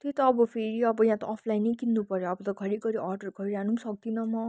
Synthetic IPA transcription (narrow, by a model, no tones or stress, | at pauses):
t̪et̪ʌːbʌpʰeɾiʌbʌjãt̪ʌʔːpʰlajnːʌjkinːupʌɾjoːbʌt̪ʌkʰʌɾiɡʌɾiʔʌrɖʌrkʰʌɾiɾanusʌk̚t̪inʌmʌ